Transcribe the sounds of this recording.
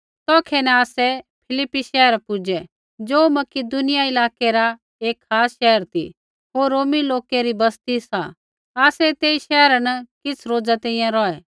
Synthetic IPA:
t̪ɔːkʰɛnɛ̃aːsɛpʰɪlɪpːiʃɛɦəɾpʊd͡ʒɛ | d͡ʒoːmɐkɪd̪ʊnɪjaɪlaːkeɾa | eːkʰxʰaːsʃɛɦəɾt̪ʰḭ | ɦoːɾːoːmiloːkeɾibɐst̪isã̰ | aːsɛt̪eːiʃɛɦɾanɐkɪt͡sʰɾoːd͡zat̪ɛ̃ĩjãɾɔːɛ

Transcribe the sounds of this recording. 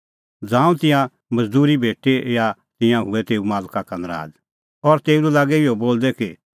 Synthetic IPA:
d͡zãːũt̪ɪ̃jã | mɐd͡zd̪uːɾibʱeːʈejat̪ɪ̃jãɦʊɛt̪eːumaːlkakanəɾa̰ːd̪ | ɔɾt̪eːululaːɡɛɪoboːld̪ɛki

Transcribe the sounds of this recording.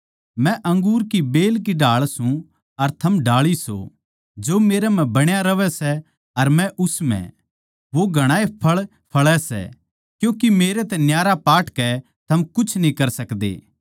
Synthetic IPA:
mɛ̃ʔɐ̃ŋɡuːɾkibeːlk̬iɖaːɭsũ | ɐɾt̪ʰɐmɖaːɭiso̰ | d͡ʒoːmeːɾɛm̤ɛ̃bɐɽ̃jaɾɐʋɛsɛ | ɐɾmɛ̃ʔʊsmɛ̰̃ | ʋoɡʱɐɽ̃aːepʰɐɭ | pʰɐɭɛsɛ̰ | kjũːkimeːɾet̪ɛnjaːɾapaːʈkɛ | t̪ʰɐmkʊt͡ʃʰnĩkɐɾsɐkd̪ḛː

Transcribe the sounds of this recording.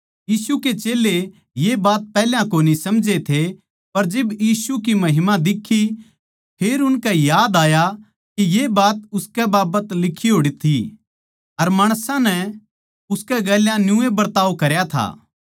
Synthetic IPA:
jiːsuket͡ʃeːle | jebaːt̪̚pɛːljãkoːnisɐmd͡ʒet̪ʰe | pɐɾd͡ʒɪbjiːsuk̬imɐɦɪmãd̪ɪkʰːi | pʰeːɾʊnkɛjaːd̪aːja | kijebaːt̪ʊskɛbaːbət̪lɪkʰːiɦoːɽit̪ʰi | ɐɾmaːɽ̃sãnɛ | ʊskɛɡɛːljãnjʊ̃ebɐɾt̪aːokɐɾjat̪ʰa̰ː

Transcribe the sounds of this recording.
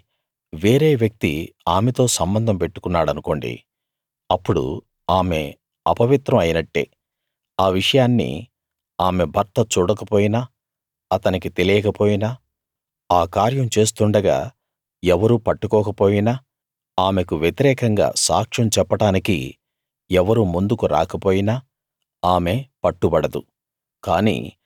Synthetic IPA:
ʋeːɾe̞ːʋjɐk̚t̪ḭ | aːmet̪o̞ːsɐmbɐnd̪ʱɐmpe̞ʈːu̥kunːaːɽɐnuko̞ɳɖḭ | ɐpːuɽṵ | aːme̞ | ɐpɐʋit̪ɾɐmɐjinɐʈːe̞̰ː | aːʋiʂɐjaːnːḭ | aːme̞bʱɐɾt̪ɐt͡ʃuːɽɐkɐpo̞ːjinaː | ɐt̪ɐnikit̪e̞lijɐkɐpo̞ːjina | aːkaːɾjɐmt͡ʃe̞ːs̬t̪uɳɖɐɡa̰ː | ɛʋɐɾuːpɐʈːukɔːkɐpo̞ːjinaː | aːme̞kuʋjet̪iɾɛːkɐŋɡa̰ːsa̰ːkʂɐmt͡ʃɛpːɐʈaːnikḭ | ɛʋɐɾumund̪ukuɾa̰ːkɐpo̞ːjinaː | aːme̞pɐʈːubɐɽɐd̪ṵ | kaːnḭː

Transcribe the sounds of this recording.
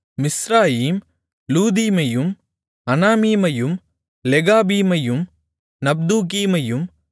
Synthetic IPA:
mɪsɾaːjiːm | luːd̪iːmɐjɯm | ɐnaːmiːmɐjɯm | lɛɣaːbiːmɐjɯm | nɐb̚d̪uːk̬iːmɐjɯm

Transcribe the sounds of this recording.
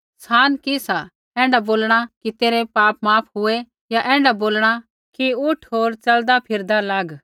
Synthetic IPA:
saːnkisa | ɛ̃ːɳɖaboːlɽ̃akit̪eːɾepaːp̚maːpʰɦʊe | jaʔɛ̃ːɳɖaboːlɽ̃a | kiʊʈʰɦoːɾt͡ʃɐld̪apʰɪɾd̪alaːɡ

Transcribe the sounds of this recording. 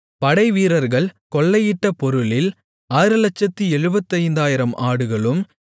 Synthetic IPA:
pɐɽɐɪʋiːɾɐɾɣɐɭkɔɭːɐjɪʈːɐpɔɾɯlɪl | aːɾɯlɐt͡ʃːɐt̪ːiɛɻɯbɐt̪ːɐɪnd̪aːjɪɾɐmʔaːɽɯɣɐɭɯm

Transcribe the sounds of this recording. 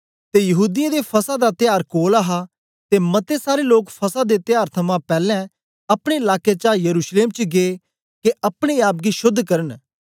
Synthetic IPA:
t̪ejɐɦuːd̪ɪjãd̪epʰɐsad̪at̪ɪjaːɾkoːlaɦa | t̪emɐt̪esaːɾeloːkpʰɐsad̪et̪ɪjaːɾt̪ʰɐmãpɛːlɛ̃ | ɐpɽ̃eɪlaːket͡ʃaːjəɾuːʃleːmt͡ʃɡeː | keɐpɽ̃eaːp̬̚ɡiʃʊd̪ʱːkɐɾən

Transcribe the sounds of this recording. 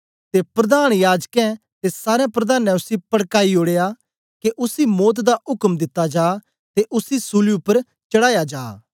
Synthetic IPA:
t̪epɾɐd̪aːɽ̃jaːd͡ʒkɛ̃ | t̪esaːɾeãpɾɐd̪aːnɛ̃ʊsipɐɽkaːioːɽeːja | keʔʊsimoːt̪̬d̪aʔʊkmd̪ɪt̪ːad͡ʒaː | t̪eʔʊsisuliʊpːəɾ | t͡ʃɐɽaːjad͡ʒa̰ː

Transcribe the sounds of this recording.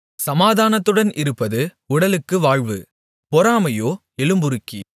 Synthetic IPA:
sɐmaːðaːnɐt̪ːɯɽɐnɪɾɯpːɐðɯ | ʊɽɐlɯkːɯʋaːɻʋɯ | pɔɾaːmɐjoː | ɛlɯmbɯɾɯkːi

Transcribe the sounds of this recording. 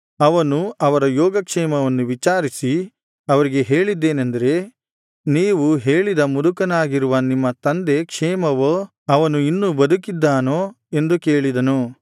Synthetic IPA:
ɐʋɐnuɐʋɐɾɐjɔːɡɐkʂɛːmɐʋɐnːuʋit͡ʃaːɾisi | ɐʋɐɾiɡe̞ɦe̞ːɭid̪ːe̞ːnɐnd̪ɐɾe̞ | niːʋuɦe̞ːɭid̪ɐmud̪ukɐnaːɡiɾuʋɐnimːɐt̪ɐnd̪e̞kʂɛːmɐʋoː | ɐʋɐnuinːubɐd̪ukid̪ːaːnoː | e̞nd̪uke̞ːɭid̪ɐnu

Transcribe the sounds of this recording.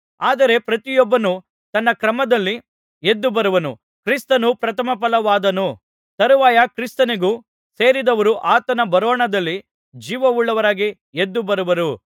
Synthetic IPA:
aːd̪ɐɾe̞pɾɐt̪ijɔbːɐnu | t̪ɐnːɐkɾɐmɐd̪ɐlːi | ed̪ːubɐɾuʋɐnṵ | kɾist̪ɐnupɾɐt̪ʰɐmɐp̬ɐlɐʋaːd̪ɐnu | t̪ɐɾuʋaːjɐkɾist̪ɐneɡuː | se̞ːɾid̪ɐʋɐɾuʔaːt̪ɐnɐbɐɾɔːɳɐd̪ɐlːi | d͡ʒiːʋɐuɭːɐʋɐɾaːɡi | ed̪ːubɐɾuʋɐɾu

